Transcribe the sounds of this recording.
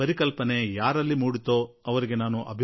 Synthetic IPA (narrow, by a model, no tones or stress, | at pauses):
ɐɾikɐlpɐnejaːɾɐlːimuːɽit̪oː | ɐʋɐɾiɡe̞naːnuʔɐ̰bʱ